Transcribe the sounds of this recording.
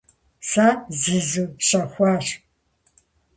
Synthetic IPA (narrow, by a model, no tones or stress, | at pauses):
saːziːzuːɕɐxʷɑːʂ